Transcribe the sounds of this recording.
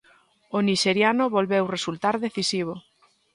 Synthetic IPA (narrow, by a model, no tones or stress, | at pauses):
ʊniʃeɾjanʊβolβewresult̪aɾðeθisiβ̞ʊ